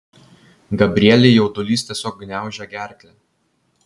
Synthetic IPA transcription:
ɡɐbʲɾʲɪɛlʲeɪjɛʊt̪ʊlʲiːst̪ʲiɛsʲoːk̚ɡnʲæˑʊʒʲɛɡʲæˑɾʲkʲlʲe

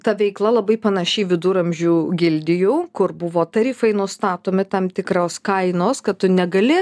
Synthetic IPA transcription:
t̪ɐʋʲɛɪklˠɐlˠɐbɐɪpɐnɐʃʲɛɪʋʲɪd̪uːɾɐmʲʒʲuːɡʲɪlʲd̪ʲɪjuːkʊɾbʊʋoːt̪ɐɾʲiːfɐɪnʊst̪ɑːt̪oːmʲɪt̪ɐmt̪ʲɪkɾoːskɐɪnoːskɐt̚t̪ʊnʲɛɡɐlʲɪ

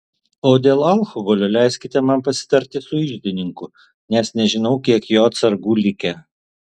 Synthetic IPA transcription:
oːd̪ʲeːlˠɐlˠxɔɡɔlʲoːlʲæˑɪsʲkʲɪt̪ʲɛmɐmpɐsʲɪ̥t̪ɐɾʲt̪ʲɪsʊɪʒʲd̪ʲɪnʲɪŋkʊ | nʲɛsnʲɛʒʲɪnɐʊkʲiɛkjoːɐt̪sɐɾɡuːlʲɪkʲɛ

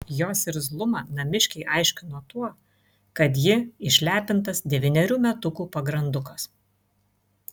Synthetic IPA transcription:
joːsɪɾzlˠʊmɑːnɐmʲɪʃʲkʲɛɪʔɑɪʃʲkʲɪnoːt̪uɔ | kɐt̪̬jɪɪʃʲlʲæːpʲɪnt̪ɐsd̪ʲɛʋʲɪnʲɛɾʲuːmʲɛt̪ʊkuːpɐɡɾɐnd̪ʊkɐs

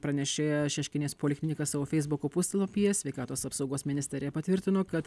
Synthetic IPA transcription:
pɾɐnʲɛʃʲeːjɛʃʲɛʃʲkʲɪnʲeːspolʲɪxʲmʲɪnʲɪkɐsɑːʋoːfʲɛɪzbʊkoːpʊsʲt̪ʲɛlˠoːpʲijɛsʲʋʲɛɪkɑːt̪oːsɐpsɒʊɡoːsmʲɪnʲɪsʲt̪ʲɛɾʲɪjɛpɐt̪ʲʋʲɪɾʲt̪ʲɪnoːkɐt̪

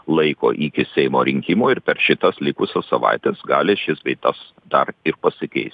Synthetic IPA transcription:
lˠɐɪko̰ːʔiːkʲɪsʲɛɪmoːɾʲɪŋʲkʲɪmoːɪɾpʲɛɾʃʲɪt̪ɐslʲɪkʊsʲɛssɐʋɑ̰ɪt̪ʲɛsɡɑːlʲɪʃʲɪsʋʲɛɪt̪ɐs | d̪ɐɾɪɾpɐsʲɪkʲɛ̰ɪsʲt

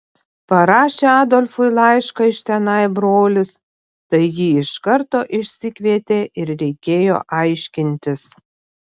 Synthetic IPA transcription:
pɐɾɑːʃʲeːɑːd̪olʲfʊɪlˠɑɪʃkɐɪʃt̪ʲɛnɑɪbɾoːlʲɪs | t̪ɐɪjiːɪʃkɐɾt̪oːʔɪʃʲsʲɪkʲʋʲiɛt̪ʲeːʔɪɾɾʲɛɪkʲeːjo̰ːʔɐɪʃʲkʲɪnʲt̪ʲɪs

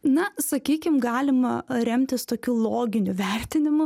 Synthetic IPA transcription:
nɐsɐkʲiːkʲɪmɡɑːlʲɪmɐɾʲɛmʲt̪ʲɪst̪oːkʲuːlˠoːɡʲɪnʲʊʋʲɛɾʲt̪ʲɪnʲɪmʊ

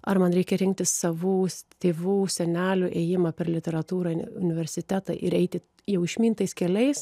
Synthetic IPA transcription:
ɐrmɐnɾʲɛɪkʲɛɾʲɪŋk̚t̪ʲɪssɐʋuːt̪ʲeːʋuːsʲɛnʲæːlʲʊʔɛjɪmɐpʲɛɾlʲɪt̪ʲɛɾɐt̪uːɾɐʊnʲɪʋʲɛɾʲsʲɪt̪ʲæːt̪ɐ̰ʔɪɾɛɪt̪ʲɪ | jɛʊɪʃʲmʲiːnt̪ɐɪskʲɛlʲɛɪs

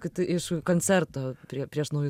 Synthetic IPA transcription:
kɐɪt̪ɪʔɪʃkoːnʲt͡s̪ʲɛɾt̪oːpʲɾʲiɛpʲɾʲiɛʃnɐʊjʊ

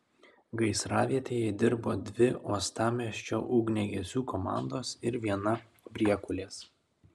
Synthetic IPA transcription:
ɡɐɪsɾɑːʋʲiɛt̪ʲeːjɛɪd̪ʲɪɾboːd̪ʲʋʲɪʔoːst̪ɑːmʲiʃʲt͡ʃʲoːʔʊːɡnʲɛɡʲɛsʲuːkomɑ̰ˑnd̪oːsɪɾʋʲiɛnɐ | bʲɾʲiɛkʊlʲeːs

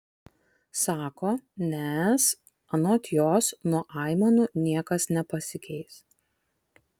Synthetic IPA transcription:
sɑːkoːnʲɛs | ɐnoːt̪ʲjoːsnuɔʔɑˑɪmonʊnʲiɛkɐsnʲɛpɐsʲɪkʲɛɪs

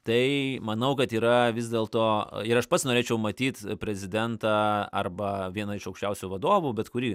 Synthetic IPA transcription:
t̪ɐɪmɐnɐʊkɐt̪iːɾɐʋʲɪzʲd̪ʲeːlˠt̪oːɪɾɐʃpɐt̪snoːɾʲeːt͡ʃʲɛʊmɐt̪ʲiːt̪pʲɾʲɛzʲɪd̪ʲɛnt̪ɑːɐ̰rbɐʋʲiɛnɐɪʃɐʊkʃʲt͡ʃʲɛʊsʲuʋɐd̪oːʋʊbʲɛt̪kʊɾʲiː

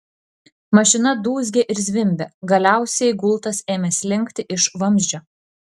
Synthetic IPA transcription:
mɐʃʲɪnɐd̪uːzʲɡʲeʔɪɾzʲʋʲɪmʲbʲɛɡɐlʲæˑʊsʲɛɪɡʊlˠt̪ɐseːmʲɛsʲlʲɪŋʲˑkt̪ʲɪʔɪʃʋɐmʲzʲd͡ʒʲoː

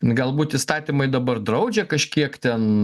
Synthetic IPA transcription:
ɡɐlˠbuːt̪ist̪ɑːt̪ʲimɐɪd̪ɐbɐrd̪ɾɐʊd͡ʒʲɛkɐʃʲkʲiɛkt̪ʲɛn

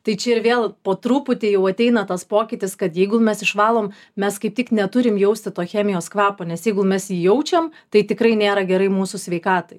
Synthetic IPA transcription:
t̪ɐɪt͡ʃʲɛɪɾʋʲeːlˠpoːt̪ɾuːpʊt̪ʲɪjɛʊɐt̪ʲɛɪnɐt̪ɐspoːkʲɪt̪ʲɪskɐt̪jɛɪɡʊmʲɛsɪʃʋɑːlˠoːm | mʲɛskɐɪp̚t̪ʲɪknʲɛt̪ʊɾʲɪmjɛʊsʲt̪ʲɪt̪oːxʲæːmʲɪjoːskʋɑːpoːnʲɛsjɛɪɡʊmʲɛsjiːjɛʊt͡ʃʲɛmt̪ɐɪt̪ʲɪkɾɐɪnʲeːɾɐɡʲɛɾɐɪmuːsʊsʲʋʲɛɪkɑːt̪ɐɪ

